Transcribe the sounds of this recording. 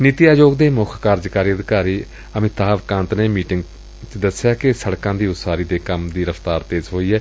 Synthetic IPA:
niːt̪iːaːd͡ʒoːɡd̪eːmʊkʰkaːɾd͡ʒkaːɾiːəd̪ɪkaːɾiː | əmɪt̪ːaːʋkãːnt̪nẽːmiːʈɪŋɡ | t͡ʃd̪əsjaːkɪsəɽkãːd̪iːʊt̪saːɾiːd̪eːkəmd̪iːɾəfʰt̪aːɾt̪eːzɦoːiːɦɛː

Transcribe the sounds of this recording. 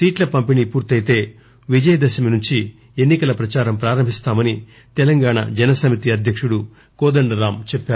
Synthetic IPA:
siːʈlɐpɐmpiniːpuːɾt̪ɐjt̪e̞ː | ʋid͡ʒɐjɐd̪ɐsɐminuɲt͡ʃi | enːikɐlɐpɾɐt͡ʃaːɾɐmpɾaːɾɐmbʱist̪aːmɐni | t̪ɛlɐŋɡaːɳa̰d͡ʒɐnɐsɐmit̪iɐd̪ʱjɐkʂuɽu | kɔːd̪ɐɳɖɐɾaːmt͡ʃɛpːaːu

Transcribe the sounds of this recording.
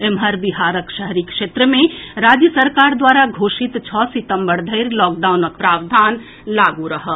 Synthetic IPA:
emɦəɾbiɦaɾəkʃəɦɾikʃet̪ɾəmẽɾad͡ʒjəsəɾkaɾd̪waɾaɡʱoʃit̪t͡ʃʰɔsit̪əmbəɽd̪ʱəɪɾlɔːk̚ɖawnək̚pɾabd̪ʱan | laɡuɾəɦə

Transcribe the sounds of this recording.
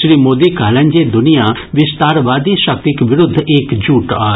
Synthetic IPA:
ʃɾiːmoːd̪iːkaːlə̃ːnd͡ʒeːd̪ʊnijãː | ʋɪst̪aːɾʋaːd̪iːʃək̚t̪ɪkʋɪɾʊd̪ʱːekd͡ʒuːʈaː

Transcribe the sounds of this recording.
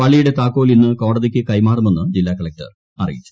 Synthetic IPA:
ʋɐɭːijuɽe̞t̪aːkːo̞ːlinːɨko̞ːɽɐðikʲːɨkɐjmaːrume̞nːɨd͡ʑilːaːkɐɭɐk̚ʈɐ̰r | ɐrḭjḭt͡ɕːu̥

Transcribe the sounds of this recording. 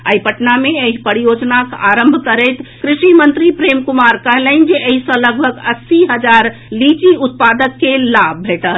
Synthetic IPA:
əjpəʈnameeɦipəɾijod͡ʒnakaɾəmbʱkəɾəjt̪kɾiʃimənt̪ɾipɾemkumaɾkəɦlənd͡ʒeʔəɦisə̃ləɡ̚bʱəɡəsiɦəd͡ʒaɾ | lit͡ʃiut̪̚pad̪əkːelab̚ːʱeʈət̪

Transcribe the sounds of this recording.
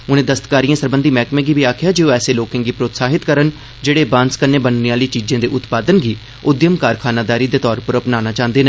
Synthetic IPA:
ʊnẽːd̪əst̪kaːɾijãːsəɾbənd̪iːmɛːkmẽːɡiːbiːaːkʰɪjaːd͡ʒeːoːɛːseːloːkɪ̃ːɡiːpɾoːt̪saːɦɪt̪kəɾən | d͡ʒeːɽeːbãːnskənẽːbənneːaːləiːt͡ʃiːd͡ʒẽːd̪eːʔʊt̪paːd̪ənɡiː | ʊd̪jəmkaːɾkʰaːnaːd̪aːɾiːd̪eːt̪ɔːɾpəɾəpnaːnaːt͡ʃãːnd̪eːne

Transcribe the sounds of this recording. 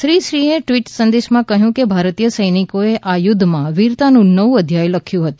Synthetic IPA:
ʃɾiʃɾieʈʋiʈsənd̪eʃmãkəɦjũkebʱaɾt̪ijəsəjnikoeʔajʊd̪ʱːmãʋiɾt̪anũnəʋũəd̪ʱjajləkʰjũɦət̪ũ̥

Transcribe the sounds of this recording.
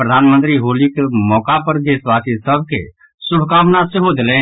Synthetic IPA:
pɾəd̪ʱaːnmə̃nt̪ɾiɦoːlikemɔːkapəɾd̪eːswaːsisəb̚ʱkḛ | sʊbkaːmnasɪɦod̪ɪlẽ

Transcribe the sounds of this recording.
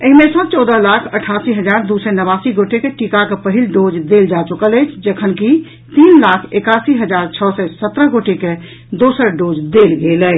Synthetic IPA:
əɦimesə̃t͡ʃɔwd̪əlakʰəʈʰasiɦəd͡ʒaɾd̪usɛnəβasiɡoʈekeʈikakepəɦilɖod͡ʒd̪eld͡ʒat͡ʃukələjt͡ʃʰd͡ʒəkʰənki | t̪inlakʰekasiɦəd͡ʒaɾt͡ʃʰəsɛsət̪ɾəɦɡoʈeke | d̪osəɾɖod͡ʒd̪elɡelə

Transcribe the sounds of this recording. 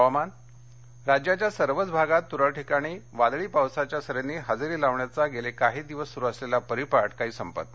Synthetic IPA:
man | ɾad͡ʑjat͡ɕjasəɾʋət͡sbʱaɡat̪ːuɾəɭʈʰikaɽ̃iːʋad̪ɭiːpawsat͡ɕjasəɾenːiːɦad͡zɾiːlaʋɳjat͡saɡelekaɦiːd̪iʋəsːuɾuəslelapəɾipaʈkaɦiːsəmpə̰t̪̚

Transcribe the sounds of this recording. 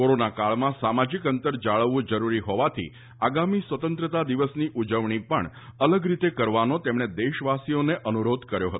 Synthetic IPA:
koɾonakaɭmãsamad͡ʒikənt̪əɾd͡ʒaɭəʋːũd͡ʒəɾuɾiɦɔʋat̪ʰḭ | aɡamisʋət̪ənt̪ɾət̪ad̪iʋəsniʔud͡ʒəʋɳipə̰ɳ | ələɡɾit̪ekəɾʋanot̪emɳ̃ed̪eʃʋasijoneʔənuɾod̪kəɾjo̰ɦət̪o

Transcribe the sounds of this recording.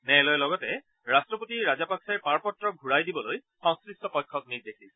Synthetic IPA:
nɛlɔjɛlɔɡɔtɛ | ɹastɹɔpotiɹazapaksɛɹpaɹpɔtɹɔɡʱuɹajdibɔloj | xɔ̃ŋskɹistɔpɔjkʰːɔk̚niɹdekʰi

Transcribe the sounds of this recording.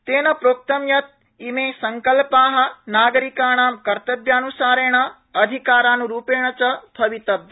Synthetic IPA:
t̪eːnɐpɾoːk̚t̪ɐmjɐt̪̚ | imeːsɐŋkɐlpaːɦɐ̆naːɡɐɾikaːɳaːmkɐɾt̪ɐbjaːnusaːɾeːɳ̃ɐ | ɐd̪ʱikaːɾaːnuɾuːpeːɳ̃ɐt͡ʃɐb̪ʱɐʋit̪ɐbj

